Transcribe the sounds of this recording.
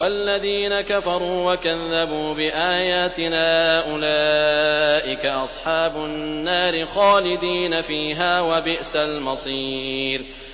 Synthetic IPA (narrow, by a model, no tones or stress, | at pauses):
waalːaðiːnakafɑɾˤuːwakaðːabuːbɪʔaːjaːt̪ɪnaːʔʊla | ʔɪkaʔɑsˤħɑːbʊnːaːɾɪxaːlɪd̪iːnafiːɦaːwabɪʔsalmɑsˤiːɾ